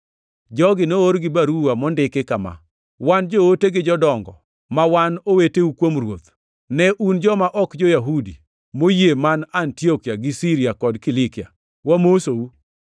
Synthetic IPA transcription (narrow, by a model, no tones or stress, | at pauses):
d͡ʒɔɡɪnooɾɡɪbaɾuwamɔndɪkɪkama̰ | wand͡ʒooteɡɪd͡ʒɔdɔŋɡɔ̰ | mawanoweteukwomrwot̪ | nɛʔund͡ʒɔmaʔɔkd͡ʒojaɦudi | mojemanantiɔkjaɡɪsiɾiakɔdkɪlɪkɪa̰ | wamosou